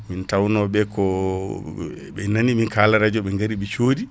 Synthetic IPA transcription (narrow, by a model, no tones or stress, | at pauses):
mintawnɔɓɛkɔ | ɓɛnaniminkalaɾad͡ʒɔɓɛŋɡaɾiɓɛt͡ʃoːdi